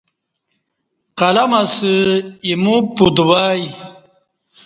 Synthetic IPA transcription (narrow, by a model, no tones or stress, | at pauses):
qɐlɐmasɨimupud̪waj